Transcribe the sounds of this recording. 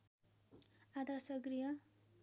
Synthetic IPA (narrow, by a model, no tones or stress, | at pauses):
ad̪ʱʌrsʌɡrijʌ